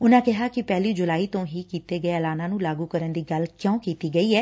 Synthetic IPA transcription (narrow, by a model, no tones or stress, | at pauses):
ʊnãːkɪɦaːkɪpɛːliːd͡ʒʊlaːiːt̪õːɦiːkiːt̪eːɡəeəlaːnãːnũːlaːɡuːkəɾənd̪iːɡəlkjõːkiːt̪iːɡəiːɛː